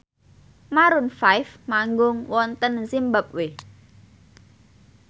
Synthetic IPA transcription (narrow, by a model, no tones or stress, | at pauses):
maɾʊnfajfmaŋɡʊŋwɔnt̪ənsimbap̚we